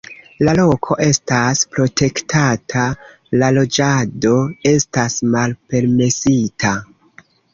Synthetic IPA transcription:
lalo̞kʰo̞ʔe̞staspɾo̞tʰe̞ktʰatʰa | lalo̞d͡ʒado̞e̞stasmalpe̞ɾme̞sitʰa

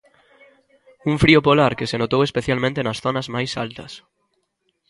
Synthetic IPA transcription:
uɱfɾiopolaɾkesenot̪owespeθjalmẽnt̪enɐsθonɐzmajsa̰lt̪ɐ̰s

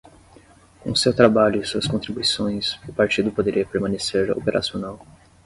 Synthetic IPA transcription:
kõʊsewt̪ɾabaʎʊsuɐskõnt̪ɾibuisõj̃sʊpaɾt͡ʃid̪ʊpod̪eɾiɐpeɾmɐ̃neseɾo̰peɾʔa̰sionaw

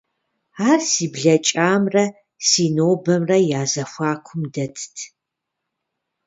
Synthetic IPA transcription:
aːrsiːbɮɐt͡ʃʼaːmrɐ | siːnoːbɐmrɐjaːzɐxʷaːkʷʰʊmdɐtʰtʰ

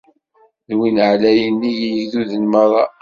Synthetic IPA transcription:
ðwinʕlæjənːijiðuðənməɾˤɑ

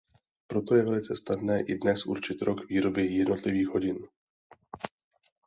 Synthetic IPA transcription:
pɾot̪o̞jɛvɛlɪt͡sɛsnadnɛːʔɪdnɛsʔṵɾt͡ʃɪt̪ɾʔokviːɾo̞bɪjɛdno̞t̪lɪviːɣɦo̞ɟɪn

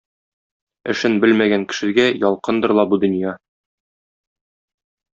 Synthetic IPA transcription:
ɘ̆ʃɘnbɘlmæɡæŋkɘ̥̆ʃɘ̆ɡæjɒlˠqɤnd̪ɤ̆ɾlˠɑbud̪ɵ̆njɑ

